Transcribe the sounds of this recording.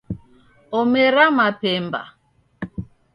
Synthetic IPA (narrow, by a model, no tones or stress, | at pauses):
ɔmɛɾamapɛmba̰